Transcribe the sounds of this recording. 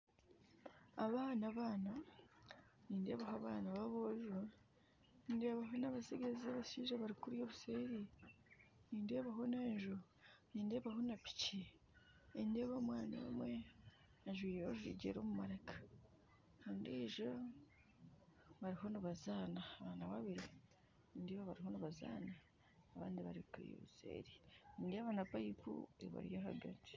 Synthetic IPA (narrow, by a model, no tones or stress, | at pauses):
aβaːnaβaːna | niːnde̞ːβaɦoaβaːnaβaβoːʒu | inde̞ːβaɦo̞naβasiɡaziaβaʃiːʒaβaɾikuɾjo̞ːβuseːɾi | niːnde̞ːβaɦo̞neːɲʒu | niːnde̞ːβaɦo̞napi̥ci | endeːβamwaːna̰wḛmwe | aʒwiːjeoʒḭːɟḛɾoːmumaɾakḁ | kaːndiʒo | βaɾiɦo̞niβazaːnaːβaːnaβaβiɾi | niːndeːβaβaɾiɦo̞niβaza̰ːnaː | βaːndiβa̰ɾiβkuɾḭjo̰βusḛːɾiniːndeːβanapajipṵeβa̰ɾḭjaɦa̰ɡa̰ni̥